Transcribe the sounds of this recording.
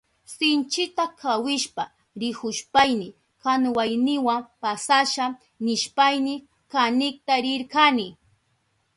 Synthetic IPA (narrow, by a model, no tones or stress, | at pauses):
sɪnt͡ʃɪt̪akʰawɪʃpa | ɾɪhʊʃpajnɪ | kaŋwajnɪwampasaʃa | nɪʃpajnɪ | kanɪk̚t̪aɾɪɾkanɪ